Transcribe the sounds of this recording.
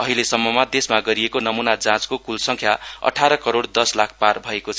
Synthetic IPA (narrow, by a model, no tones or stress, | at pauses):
ʌɦilesʌmːʌmʌd̪esmaɡʌɾiekonʌmunad͡zãt͡skokulsʌŋkʰjaʌ̰ʈʰaɾʌkʌɾoɽd̪ʌslakʰparbʱʌekot͡sʰ